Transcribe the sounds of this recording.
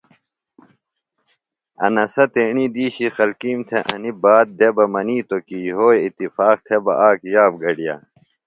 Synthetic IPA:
ɐ̰nɐsɐt̪eːɳiːd̪iːɕixɐlkiːmt̪ʰeʔɐnibaːt̪̚d̪ebɐmɐniːt̪okiɦoːeit̪ifaːqt̪ʰebɐ̰ʔaːkjaːbɡɐɖijɐ̰

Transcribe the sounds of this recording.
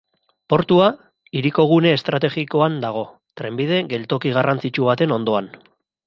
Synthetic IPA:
po̞ɾt̪ua | iɾiko̞ɣ̞une̞ːst̪ɾat̪e̞ɣiko̞and̪aɣ̞o̞ | t̪ɾe̞mbið̞e̞ɣe̞lt̪o̞kiɣ̞arʔant͡sit͡ʃuβ̞at̪e̞no̞nd̪o̞an

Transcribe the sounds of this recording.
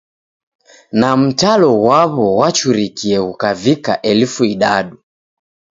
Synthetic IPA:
nam̩talɔwaβɔwat͡ʃuɾikiɛhukavikaʔɛlfuiɗaɗu

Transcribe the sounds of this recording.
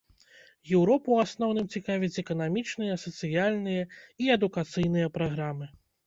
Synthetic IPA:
jɛwɾɔpuasnɔwnɨmt͡sʲikavʲit͡sʲɛkɐnamʲit͡ʂnɨjɐsɐt̪sɨjalʲnɨjɐiɛd̪ukat̪sɨjn̪ɨjɐpɾaɣɾamɨ

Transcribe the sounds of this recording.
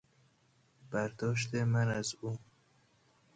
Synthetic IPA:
b̥æɾd̪ɒːʃ̬t̪emænæzu

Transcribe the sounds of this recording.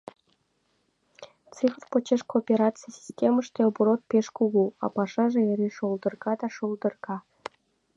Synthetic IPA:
t͡sɨfrpot͡ɕeʃkoːpʲeɾɑt͡sɨjsʲi̥sʲtʲeməʃt̪elbuɾot̪̚pʲeʃkuɣuɑ̰pɑʃɑʒĕeɾʲeʃolˠd̪ɤ̆rɣɑd̪ɑʃolˠd̪ɤ̆rɣɑ

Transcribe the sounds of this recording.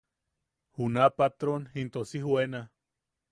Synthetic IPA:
hunapat̪ɾonhint̪osihwena

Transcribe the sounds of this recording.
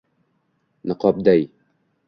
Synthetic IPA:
nəqɔp̚d̪aj

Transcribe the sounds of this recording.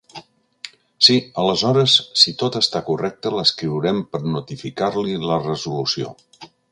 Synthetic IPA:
siələzɔɾəsːit̪ot̪əst̪akurʔɛk̚t̪ələskɾiwɾɛmpəɾnut̪ifikaɾlilərəzulusio̰

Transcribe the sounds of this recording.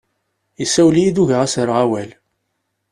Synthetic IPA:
isæwlijid̪uʝəʁæsəɾʁawæl

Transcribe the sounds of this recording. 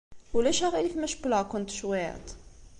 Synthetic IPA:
ulæʃæʁilifmæʃbləkʊnt̪ʃwiə̰t̪

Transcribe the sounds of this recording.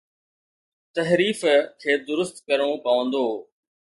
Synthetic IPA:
t̪ɐɦɾiːfkʰeːd̪ʊɾʊst̪kɐɾõpɐʋə̃nd̪oː

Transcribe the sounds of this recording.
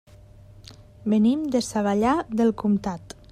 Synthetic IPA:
bənimd̪esaβaʎaðelˠkumt̪at̪

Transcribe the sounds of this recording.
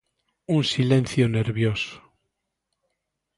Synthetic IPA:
unsilẽn̟θjone̞ɾβjoso̥

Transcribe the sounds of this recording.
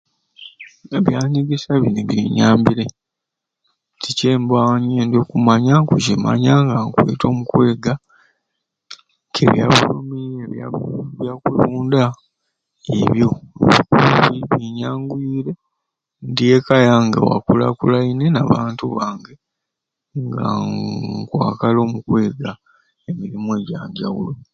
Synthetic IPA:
eβjaːɲiɡesaβineβjiɲaːmbiɾe | ticeːmbaːɲendokumaɲaŋkucima̰ɲaŋɡaŋkwḛːto̞mukwe̞ːɡa | kʰḛβja̰βulumieβjaβjakuluːnda | iβjo̞βikuβiβiɲaːŋɡwiːɾe̞ | ndiekajaŋɡa̰wa̰kula̰kulainenaβaːntuβaːŋɡe | ŋɡa | kwaːkalo̞ːmukwe̞ːɡa | e̞miɾimoeɟaːɲɟawulo

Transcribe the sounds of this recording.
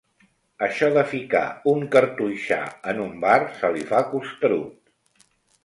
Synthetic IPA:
əʃɔðəfika̰uŋkəɾt̪ujʃa̰ənumbarsəlifakust̪əɾut̪

